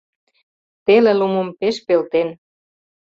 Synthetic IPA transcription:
t̪elelumompeʃpelt̪en

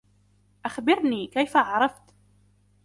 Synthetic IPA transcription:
ʔaxbɪɾnikæjfaʕɾˤɑft̪

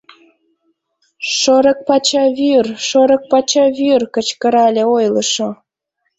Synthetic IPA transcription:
ʃoɾək̚pɑt͡ɕɑβyrʃoɾə̆k̚pɑt͡ɕɑβyrkət͡ɕkəɾɑlʲeojləʃo

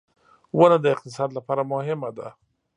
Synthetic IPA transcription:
wənad̪əɪq̚t̪ɪsɑd̪lapɑɾamʊhɪmad̪a

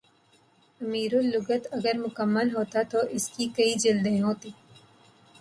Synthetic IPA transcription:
ɐmiːɾʊlːʊɡət̪ɐɡəɾmʊkəmːəlɦoːt̪at̪oʔɪskikɐid͡ʒɪld̪ẽɦoːt̪iː

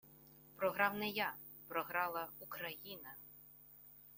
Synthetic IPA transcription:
pɾɔɦɾɑwnɛja | pɾɔɦɾɑlˠɐukɾɐjinɐ

